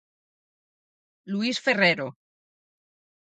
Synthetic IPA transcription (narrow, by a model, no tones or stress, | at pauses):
luisfereɾo